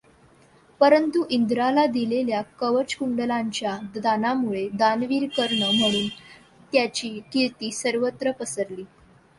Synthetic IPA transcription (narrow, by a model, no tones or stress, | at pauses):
pəɾənt̪uʔind̪ɾalad̪ileljakəʋət͡ɕkuɳɖəlaɲt͡ɕjad̪d̪anamuɭed̪anʋiːɾkəɾɳəm̤əɽ̃uːn | t̪jat͡ɕiːkiɭt̪iːsəɾʋət̪ɾəpəsəɾliː